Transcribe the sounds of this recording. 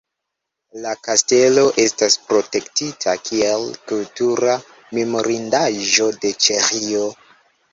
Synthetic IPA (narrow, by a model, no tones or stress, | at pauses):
lakaste̞lo̞ʔe̞staspɾo̞te̞ktitʰakʰielkultuɾa | memo̞ɾindaʒo̞de̞t͡ʃe̞xio